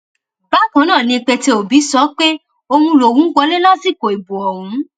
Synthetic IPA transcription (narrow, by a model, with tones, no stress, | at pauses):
ba˨˦kã˨˦nãː˦˨nĩ˧k͡pɛ˧te˧o˨bi˨˦sɔ˨˦k͡pe˦ | o˧hũ˧lo˨wũ˨˦ɡɔ˧˦le˦la˦si˦˨ko˨i˨bu˨ɔ˨ɾũ˨˦